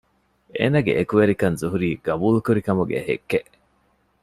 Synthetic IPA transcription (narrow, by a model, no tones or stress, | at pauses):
ḛːnɐɡḛʔekuʋeɾikɐnzuɦuɾiːɡ̥ɐbuːlukuɾikɐmuɡḛhḛkːeʔ